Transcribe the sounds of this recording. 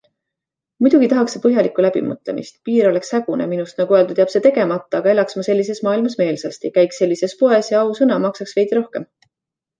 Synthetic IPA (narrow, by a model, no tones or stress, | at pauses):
mujd̥̪uɡ̥it̪ɑɦɑksːepɤɦjɑlikːˑulæb̥ḭmɤ̰t̪ˑle̞̰mʔḭst̪piːɾo̞le̞kshæɡ̥uneminust̪nɑɡ̥ueld̪ut̪eɑpse̞t̪e̞ɡe̞mɑt̪ˑːɑːɡ̥ɑe̞lɑksmɑse̞lʲːise̞smɑːilmɑsme̞ːlsɑst̪ikæjkse̞lʲːise̞spo̞e̞sjɑɑusɤnɑmɑksɑksve̞jd̪iɾo̞hke̞m